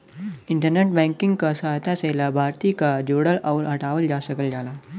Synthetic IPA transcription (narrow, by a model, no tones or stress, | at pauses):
iɳʈəɾneʈ̚bɛ̃ŋkiŋɡkəsəɦt̪aselabʱaɾt̪ikad͡ʑoɽəlaʋɾɦəʈaʋəld͡ʑasəɡəld͡ʑala